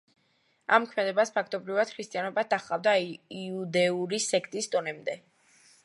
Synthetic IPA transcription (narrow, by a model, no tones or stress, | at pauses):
amkʰmɛd̪ɛbaspʰakʰt̪ʼɔbɾivad̪̥kʰɾist̪ʼianɔbad̪aχlˠavd̪aiud̪ɛuɾisɛkʰt̪ʼisd̪ɔnɛmd̪ɛ